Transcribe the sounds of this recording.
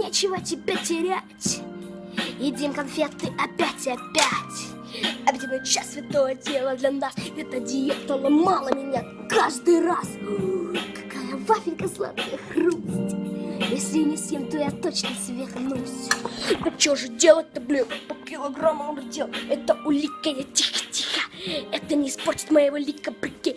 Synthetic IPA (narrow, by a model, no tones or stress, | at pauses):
nʲet͡ɕɪvətʲɪbʲatʲɪɾʲætʲ | jɪdʲimkɐnfʲet̪ɨʔɐpʲatʲɐpʲætʲ | ɐpʲt̪ʲɪbəjt͡ɕːasʲvʲɪt̪ojədʲelˠəd̪lʲɐnasɛt̪ədʲɪjɛt̪əlˠəmalˠəmʲɪnʲa | kaʐd̪ɨjras | kɐ̥kajəvafʲɪnʲkəslˠa̰t̪kəjxrustʲjesʲlʲɪnʲɪsʲemt̪ojat̪ot͡ɕnəsʲvʲexnusʲ | t͡ʃoʐɨdʲelˠəɛt̪əblʲupɐpkʲilˠəɡroməmdʲelˠɛt̪əʊlʲikːəjɐtʲixtʲixaɛt̪ənʲɪɪsport͡ɕʲɪ̥t̪mɐjevolʲikːəbʲɪkʲːi